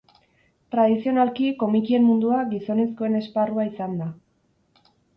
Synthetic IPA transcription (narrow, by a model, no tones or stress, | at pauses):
t̪ɾaðisio̞nalkiko̞mikie̞mːund̪uaɡiso̞ne̞sko̞e̞ne̞sparuaisand̪a